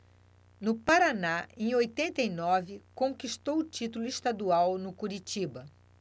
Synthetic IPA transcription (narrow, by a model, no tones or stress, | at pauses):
nʊpaɾanaẽj̃ojt̪ẽnt̪ɐinɔvɪkõkiʃt̪owʊt͡ʃit̪ulʊɪʃt̪ad̪uawnʊkuɾit͡ʃibɐ